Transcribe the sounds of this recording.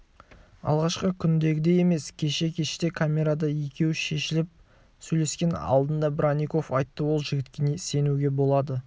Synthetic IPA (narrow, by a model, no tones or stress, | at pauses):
ɑ̰lˠʁɑʃqəkʲʰʏnd̪e̞ɡʲɪd̪e̞je̞me̞skʲʰe̞ʃe̞kʲʰe̞ʃt̪e̞kʰamʲe̞ɾad̪ɑje̞kʲʰe̞wʃe̞ʃɪlɪp̚ | sɵjle̞skʲe̞nɑ̰lˠd̪ənd̪ɑbɪɾaniko̞fɑjt̪ːəwo̞lˠʒɪɡʲɪt̪kʲenese̞nuɡʲe̞bo̞lˠɑd̪ə